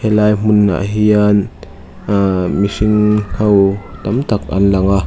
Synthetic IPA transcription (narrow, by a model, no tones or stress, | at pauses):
hɛlajm̥unːa̰ʔɦian | misiŋhʰɐwt̪ɐmt̪ak̚ɐ̰nlaŋa